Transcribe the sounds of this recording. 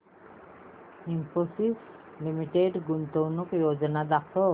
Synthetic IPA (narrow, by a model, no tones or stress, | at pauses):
imposis | limiʈeɖɡunt̪ownukjod͡ʑonad̪akʰo